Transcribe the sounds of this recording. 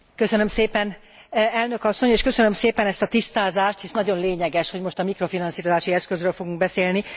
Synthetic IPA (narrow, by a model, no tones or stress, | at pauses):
kø̞sønømseːpɛn | ɛlnø̞kɒsːo̞ɲeːʃkø̞sønømseːpɛnɛst̪ɒt̪ist̪aːzaːʃt̪hisnɒɟo̞nleːɲɛɡɛʃho̞ɟmo̞ʃt̪ɒmikɾo̞finɒnsiːɾozaːʃiɛskøzrøːlfo̞ɡuŋɡ̚bɛseːlni